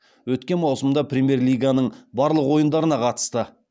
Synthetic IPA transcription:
wɵt̪kʲe̞nmɑwsəmd̪ɑprʲemʲje̞rlʲijɡanəɴbɑɾlˠəqwo̞jənd̪ɑɾənɑqʰɑt̪ə̥st̪ə

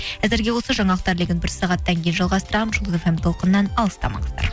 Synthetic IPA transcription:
æzɪɾɡʲe̞wo̞səʒɑɴɑq̚t̪ɑɾleɡʲɪnbɪɾsɑʁɑt̪ːɑŋkʲʰejnʒɑlˠʁɑst̪əɾɑmnʒulˠəzefemt̪ʰo̞lˠqənːɑnɑlˠəst̪ɑ̰mɑ̰ɴəzd̪ɑ̰ɾ

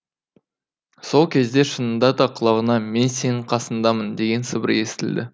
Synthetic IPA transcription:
so̞lˠkʲʰe̞zd̪e̞ʃənənd̪ɑd̪ɑqʰəlˠɑʁənɑme̞nse̞nɪɴqʰɑsənd̪ɑmənd̪e̞ɡʲe̞nsəbəɾe̞sɪ̥t̪ɪld̪ɪ

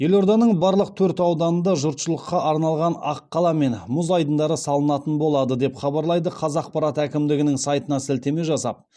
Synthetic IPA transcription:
je̞lo̞ɾd̪ɑnəɴbɑɾlˠəq̚t̪ʰɵɾt̪ɑwd̪ɑnənd̪ɑʒʊɾt̪ʃəlˠəqːɑʔɑɾnɑlˠʁɑnɑqːɑlˠɑme̞nmʊzɑjd̪ənd̪ɑɾəsɑlˠənɑt̪ənbo̞lˠɑd̪əd̪e̞pχɑbɑɾlˠɑjd̪əqʰɑzɑq̚pɑɾɑt̪ækʲɪmd̪ɪɡʲɪnɪŋsɑjt̪ənɑsɪlt̪e̞me̞ʒɑsɑ̰p̚

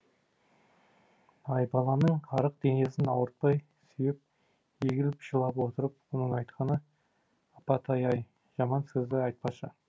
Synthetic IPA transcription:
ɑjbɑlˠɑnəɴɑɾəq̚d̪̥e̞ne̞sɪnɑwəɾt̪̚pɑj | syjɪp̚ | ʒeɡʲɪɾpʃəlˠɑpwo̞t̪əɾəp̚wonəɴɑjt̪qʰɑnə | ɑpɑt̪ʰɑjɑj | ʒ̥ɑmɑnsɪzd̪ɪɑjt̪̚pɑʃə̰

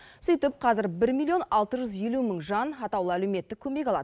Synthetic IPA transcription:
sʏjt̪ɪp̚qʰɑzɪɾbɪɾmʲilʲˠio̞nɑlˠt̪əʒʏzje̞luməɴʒɑnɑt̪ɑwlˠəælɵme̞t̪ːɪkʲʰɵme̞kʲɑlˠɑ̰d̪ə

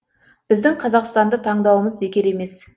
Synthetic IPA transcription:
b̥ɪzd̪ɪŋqʰɑzɑqst̪ɑnd̪ət̪ʰɑɴd̪ɑwəməzbe̞kʲɪɾe̞me̞s

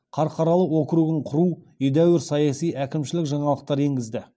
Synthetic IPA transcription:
qʰɑɾqʰɑɾɑlˠəwokɾuɡɪɴqʰʊɾu | ʏjd̪æwɪɾsɑjɑsijʔækʲɪmʃɪlɪkʒɑɴɑlˠəq̚t̪ɑɾe̞ŋɡʲɪzd̪ɪ

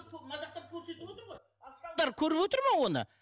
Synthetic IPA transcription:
ɑzɑqt̪ɑp̚kʲʰɵɾse̞t̪ɪot̪əɾoj | d̪ɑɾkʲʰɵɾɪpwot̪əɾmɑwo̞nə̰

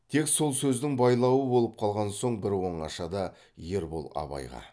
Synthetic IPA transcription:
t̪ʰe̞kso̞lˠsɵzd̪ɪŋbɑjlˠɑwəbo̞lˠəp̚qʰɑlˠʁɑnso̞ɴbɪɾwo̞ɴɑ̰ʃɑd̪ɑ | je̞ɾbo̞̰lˠɑ̰βɑ̰jʁɑ̰

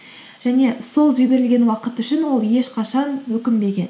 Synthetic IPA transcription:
ʒ̥æne̞so̞lˠʒibe̞ɾɪlɡʲe̞nwɑqət̪ʏʃɪnwo̞lˠje̞ʃqʰɑʃɑnwɵkʲɪmbe̞ɡʲe̞n

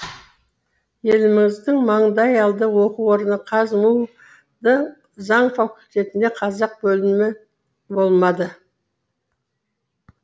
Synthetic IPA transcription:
je̞lɪmɪŋɪzd̪ɪŋmɑɴd̪ɑjɑlˠd̪əwo̞quwo̞ɾənəqʰɑzmuw | d̪ə | zɑɴfakulʲt̪e̞t̪ɪnd̪e̞qʰɑzɑq̚bɵlɪmɪ | bo̞lˠmɑd̪ə

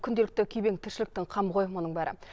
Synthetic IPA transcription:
kʲʰʏnd̪eɪk̚t̪ɪkʲʰɵjbeŋt̪ʰɪɾʃɪlɪk̚t̪ɪŋqʰɑmʁʰo̞jmo̞nəɴbæɾɪ̰

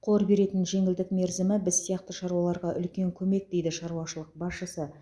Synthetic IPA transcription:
qʰoɾbe̞ɾe̞t̪ɪnʒe̞ŋɪld̪ɪkme̞ɾzɪmɪbɪzsijɑqt̪əʃɑɾuwɑlˠɑɾʁɑʔʏ̰lkʲe̞ŋkʲʰɵme̞k̚d̪e̞jd̪ɪʃɑɾuɑʃəlˠəq̚bɑsʃəsə

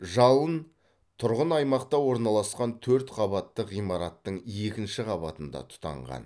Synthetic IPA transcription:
ʒɑlˠən | t̪ʰʊɾʁənɑjmɑqt̪ɑwo̞ɾnɑlˠɑsqɑnt̪ʰɵɾt̪qʰɑbɑt̪ːəqijmɑɾɑt̪ːəɴe̞kʲɪnʃɪqʰɑbɑt̪ənd̪ɑ̰t̪ʰʊ̥t̪ɑ̰ɴʁɑ̰n

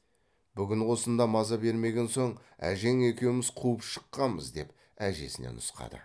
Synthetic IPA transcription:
bʏɡʲɪnwo̞sənd̪ɑmɑzɑbe̞ɾme̞ɡʲe̞nso̞ɴ | æ̰ʒe̞ŋe̞kʲe̞wɪmɪzqʰuəpʃə̥qːɑməzd̪e̞p | æʒe̞̰sɪne̞̰nʊsqɑ̰d̪ə̰

